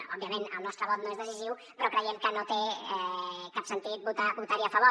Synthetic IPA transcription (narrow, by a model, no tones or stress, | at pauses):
ɔbːjɐmẽnə̰lˠnɔst̪ɾɐβɔt̪nõezðəsiziw | pɾɔkɾəjɛmkənot̪eɛkapsənt̪it̪̚but̪abut̪aɾjafɐβo